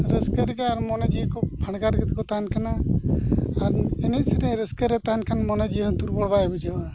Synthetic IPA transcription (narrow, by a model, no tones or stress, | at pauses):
ɾəskəɾɡaaɾmɔnad͡ʒikɔpʰaɳɡaɾɡɛt̪kɔt̪aɦankanaː | ɾɛnɛt̪sɛɾɛɾəskəɾɛt̪aɦankʰanmɔnad͡ʒijɦənt̪uɾbɔɽbabid͡ʒaba